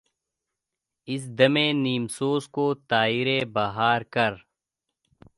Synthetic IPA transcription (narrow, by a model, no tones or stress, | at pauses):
ɪs̬d̪ɐmẽːniːmsoːzkoːt̪aːiɾebaːɦaːɾkɐɾ